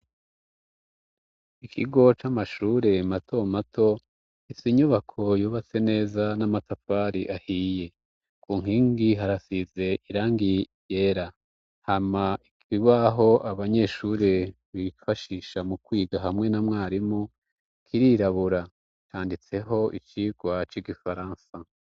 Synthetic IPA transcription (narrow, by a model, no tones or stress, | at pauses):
ikʰiɡo̞t͡ʃamaʃuɾe̞matʰo̞matʰo̞ | isiɲuβakʰo̞juːβat͡se̞ne̞ːzanamatafaɾiʔahiːje̞ | kuːŋ̥iːŋɡiɦaɾasize̞ʔiɾaːŋɡi | jeːɾa | hamaikiβaɦo̞ʔaβaɲe̞ʃuːɾe̞ | βifaʃiʃamukwiːɡaɦamŋe̞namŋaːɾimu | kʰiɾiɾaβuɾa | t͡ʃaːndit͡se̞ɦo̞ʔit͡ʃiːɡ̥wat͡ʃiɡifaɾaːnsa